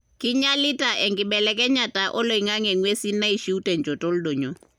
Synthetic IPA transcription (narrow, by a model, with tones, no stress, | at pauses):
kɪ˦ɲa˦lɪ˦ta˨ʔɛ˨ŋɡɪ˨ɓɛ˨lɛ˦kɛ˦ɲa˨ta˨ʔɔ˦lo˨i˨ŋa˦ŋɛ˨ŋwe˦si˦nːa˦i˨ʃi˦u˦tɛ˨ɲd͡ʒɔ˨tɔ˦ldo˨ɲo˨˦